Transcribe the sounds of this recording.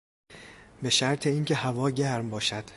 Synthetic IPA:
be̞ʃæɾt̪ʰe̞iːŋcʰe̞hævɒːɟæɾmbɒːʃæd̪̥

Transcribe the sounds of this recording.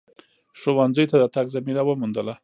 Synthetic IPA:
ʂowanzəjt̪ad̪ət̪aɡzaminawəmund̪əla

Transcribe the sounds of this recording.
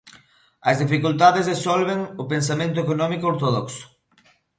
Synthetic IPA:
ɐzðifikult̪aðezðesɔlβ̞eŋʊpensamẽnt̪ʊekonɔmikooɾt̪oðɔksʊ̥

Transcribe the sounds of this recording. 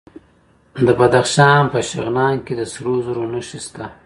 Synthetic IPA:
d̪əbad̪axʃɑːnpəʃɪɣnɑːnked̪əsɾozɾonuʃist̪a

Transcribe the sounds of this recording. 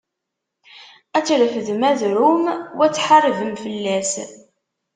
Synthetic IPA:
æt͡sːɾəfəðmæðɾumwæt͡sːħarˤəvəmfəlːæs

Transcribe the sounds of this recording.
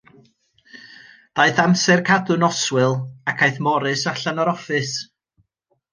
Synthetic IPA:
d̥aɨθamsɛrkʰadɨnɔswɨlˠakʰajθmɔɾɨsaɬanɔɾɔfɨs

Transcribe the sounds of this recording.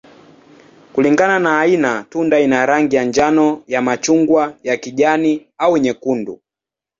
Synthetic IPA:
kuliŋɡananaːinatundainaɾaŋɡijaɲd͡ʒanɔjamat͡ʃuŋɡwajakiʄaniauwɛɲɛkundu

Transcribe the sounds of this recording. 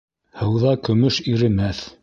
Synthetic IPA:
hɤ̆wðɑkɵ̆mɵʃiɾɘ̆mæθ

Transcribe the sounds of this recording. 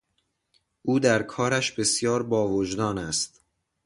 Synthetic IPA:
ʔuːd̪æɾkʰɒːɾæʃbe̞sjɒːɾbɒːvod͡ʒd̪ɒːnæst̪

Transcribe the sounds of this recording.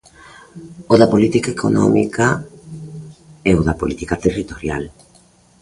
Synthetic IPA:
oðapolit̪ikaekʰono̰mḭka | eoðapolit̪ikat̪erit̪oɾja̰l

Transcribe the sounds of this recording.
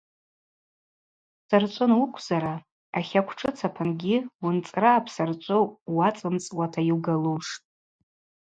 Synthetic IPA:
sart͡ʃʷʼʊnwukʷʰzaɾa | aχʲakʷʰʈ͡ʂʰɨt͡sʰapʰanɡʲɪwʊnt͡sʼraːpʰsart͡ʃʷʼowwat͡sʼɨmt͡sʼwatʰajiwɡaluʂtʼ

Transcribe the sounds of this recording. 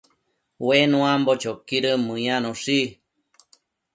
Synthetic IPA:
wenũambot͡ʃokiɾəmɨ̃janõʂi

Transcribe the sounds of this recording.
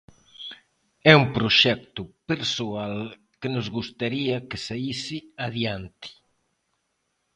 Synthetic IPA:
ɛumpɾoʃɛk̚t̪ʊpeɾsoal | kɪnozɣust̪aɾiɐkɪsaisiaðjant̪i̥

